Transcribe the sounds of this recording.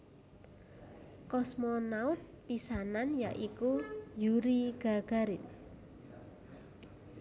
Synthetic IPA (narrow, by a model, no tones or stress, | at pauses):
kɔsmɔnaʊt̪̚pisananjaʔikujuɾiɡ̥a̤ɡ̥a̤ɾɪn